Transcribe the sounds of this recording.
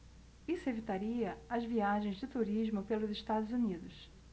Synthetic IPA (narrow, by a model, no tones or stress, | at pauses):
isʊevit̪aɾiɐɐzviaʒẽj̃zd͡ʒɪt̪uɾiʒmʊpelʊzeʃt̪ad̪ʊzunid̪ʊs